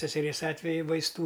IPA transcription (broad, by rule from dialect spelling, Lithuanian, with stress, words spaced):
sʲɛsʲɛˈrʲeːs ˈɑːtʲʋʲɛjʊ ʋɐɪsˈtuː